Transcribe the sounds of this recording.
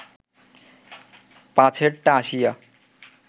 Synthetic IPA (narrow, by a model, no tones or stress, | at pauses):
pãt͡ɕʰeɾʈːaaʃija